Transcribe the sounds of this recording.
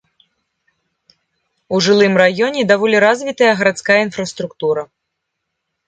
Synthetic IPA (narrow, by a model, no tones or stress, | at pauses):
uʐɨlˠɨmrajɔnʲɛd̪avɔlʲiɾazʲvʲit̪ɐjɐɣɐɾat̪skajɐinfɾɐst̪ɾukt̪uɾɐ